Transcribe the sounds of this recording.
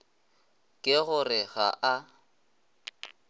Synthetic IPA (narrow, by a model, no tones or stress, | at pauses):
kʼɪɣʊrɪɣa̰ʔa